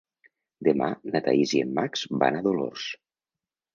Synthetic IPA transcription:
d̪emanat̪aiziemːakz̥ba̰naðolo̰rs

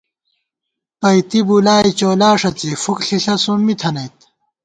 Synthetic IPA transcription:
pɐjt̪ibulaːjt͡ɕoːlaːʂɐt͡sifukɬiɬɐsumːit̪ʰɐnɐjt̪̚

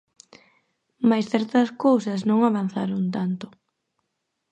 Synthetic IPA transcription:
majsθɛɾt̪ɐskowsɐsnõŋaβan̟θaɾʊnt̪ant̪ʊ

